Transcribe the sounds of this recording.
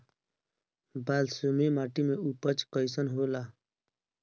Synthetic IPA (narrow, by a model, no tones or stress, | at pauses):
baːlsomemaːʈimẽupət͡ʃkəɪsənɦoːlaː